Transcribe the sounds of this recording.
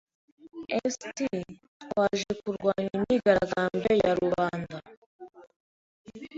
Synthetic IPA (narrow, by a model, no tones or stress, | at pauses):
esti | twaːʒekuɾɡwaːɲimɲiɡaɾaɡaːmbe̞jaɾuβaːnda